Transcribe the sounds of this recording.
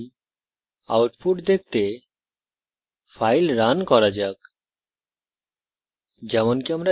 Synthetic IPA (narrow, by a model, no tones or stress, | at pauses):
a̰wʈpʰuʈd̪ek̚t̪e | fʰajlɾankɔɾad͡ʑak̚ | d͡ʑɛmonkiamɾa